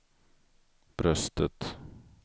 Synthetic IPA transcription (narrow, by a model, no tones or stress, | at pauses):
b̥ɾœst̪ət̪